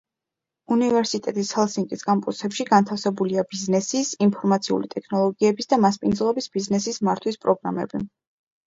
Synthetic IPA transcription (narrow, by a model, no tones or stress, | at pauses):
univɛɾsit̪ʼɛt̪ʼishɛlˠsiŋkʼiskʼampʼusɛpʃiɡant̪ʰafsɛbuliabiznɛsisinpʰɔɾmat̪sʰiṵlit̪ʼɛkʰnɔlˠɔɡiɛbisd̪amaspʼind̪zlˠɔbisb̥iznɛsismaɾt̪ʰwispʼɾɔɡɾamɛ̰bi